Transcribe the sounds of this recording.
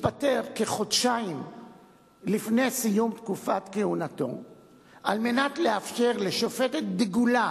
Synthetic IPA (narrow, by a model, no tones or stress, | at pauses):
pat̪e̞ʁkeχo̞dʃaim | lifne̞jsijumt̪kufat̪kehunat̪o̰ | ʔalme̞natleafʃe̞ʁleʃofet̪et̪̚diɡula